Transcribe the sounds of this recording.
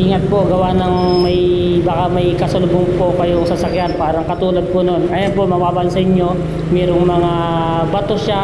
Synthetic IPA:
ʔiːŋɐt̪̚po̞ɡɐwanɐŋmɐjbɐkamɐjkɐsɐlʊboŋpo̞kɐjoŋsɐsɐkjanpaːɾɐŋkɐt̪uːlɐd̪̚pono̞nʔɐjɐnpo̞mɐbaːbɐlsɐʔɪɲjo̞ | mɛːɾoŋmɐŋa | bɐt̪o̞ʃa

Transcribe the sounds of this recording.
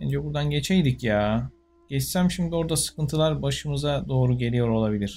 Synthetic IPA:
ænd͡ʒɛbuɾd̪anɟe̞t͡ʃʰejd̪icjaː | ɟ̥ɛt͡ʃsæmʃimd̪io̞ɾd̪asɯ̥kɯnt̪ʰɯlˠaɾbaʃɯmɯzad̪o̞ːɾuɟe̞lʲijo̞ɾo̞lˠabilʲiɾ̥

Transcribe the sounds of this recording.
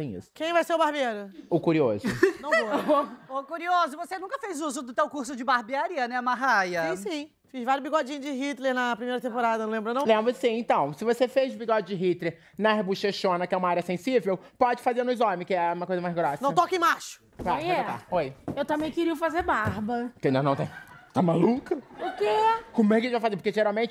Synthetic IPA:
t̪ẽj̃ḭsʊ̥kẽj̃vajseɾʊbahbeɾʊʊkuɾiozʊɐ̃wookuɾiozʊvosenũkɐfejzuzʊd̪ʊt̪ewkuɾs̬ʊd͡ʒɪbaɾbiaɾiɐnɛũmaɦajɐsĩ | fizvaɾjʊbiɡɔd͡ʒĩɲʊd͡ʒɪɦit̪leɾnɐpɾimejɾɐt̪ẽmpoɾad̪ɐnɐ̃lẽbɾʊnɐ̃wlẽmbɾɐsĩẽt̪ɐ̃w̃sɪvosefejzʊbiɡɔd͡ʒɪd͡ʒɪɦit̪leɾ | nɐbuʃeʃõnɐkɪɛũmɐaɾjɐsẽsivewpɔd͡ʒɪfazeɾnʊ̃ɪzõmɪkɪɛũmɐkojzɐmajzɡɾɔsɐnɐ̃wt̪ɔkẽmaʃʊ̥vaɛat̪a̰ojewt̪ɐ̃mẽj̃kɪɾiɐfazeɾbaɾbɐkẽnd̪ɐnɐ̃w̃t̪ẽj̃t̪amalukɐʊkekõmʊɛkeɪvajfazeɾpoɾkeʒeɾawmẽt͡ʃɪ

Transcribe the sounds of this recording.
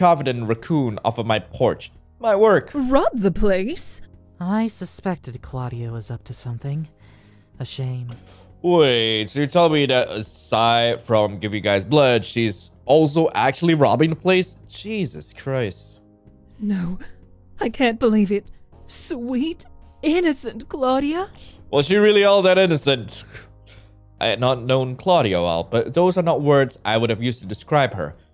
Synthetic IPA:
kʰɑvɨɾɨ̃nɹɨkʰũnɔ̰fʌvmaɪpʰɔɹt͡ʃ | maɪwɜ˞kɹɑb̚ðɨpʰl̥eɪs | aɪsɨspɛk̚tɨd̚kʰl̥ɑɾiɨwʌzʌp̚tʰɨsʌ̃mθɪ̃ŋ | ɨʃẽɪ̃mweɪtɨtʰɛlˠmiɾɨʔə̰saɪfɹʌ̃mɡɪvjɨɡaɪzblʌdʃiz | ɔlˠs̬oʊʔæk̚t͡ʃʉl̩ˠiɹɑ̰bɪ̃ŋðəpʰl̥eɪsd̥ʒ̥izɨskʰɹ̥aɪst | noʊ | aɪkʰæ̃n̚b̥əlivɪt̚ | swiɾɪnɨsɨ̃nkʰl̥ɔɾiəwʔɛlˠʃ̬iɹɪlˠiɔlˠðɨɾɪnɨsɨ̃nt | ʔaɪɨdnətⁿnõʊ̃nkʰl̥ɑɾiəwɛ̰lˠb̥ʌt̪̚ðoʊzə˞nət̚wɜ˞dz̥aɪwʊɾɨvjʉstɨdɨskɹaɪb̥ə̰˞

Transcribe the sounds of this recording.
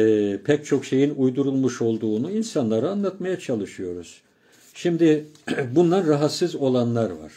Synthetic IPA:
ɛpʰɛc̚t͡ʃʰo̞kʃe̞jinujd̪uɾulˠmuʃo̞lˠd̪uːnuinsanlˠaɾɯanlˠat̪majat͡ʃʰalˠɯʃɯjo̞ɾuz̥ | ʃimd̪ɪbunlˠanɾaɦat̪sɯzo̞lˠanlˠaɾva̰ɾ̥

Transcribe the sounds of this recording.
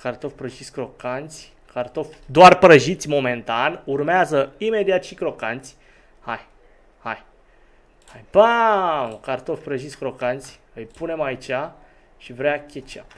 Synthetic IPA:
kart̪o̞fpɾəʒisʲkɾo̞kant̪sʲ | kart̪o̞fd̪oarpɾəʒit̪sʲmo̞me̞nt̪anurmeazəime̞d̪iat̪ʃikɾo̞kant̪sʲ | haj | haj | hajpa | kart̪o̞fpɾəʒisʲkɾo̞kant̪sʲ | ɨjpune̞mait͡ʃa | ʃivɾeakʲet͡ʃa̰

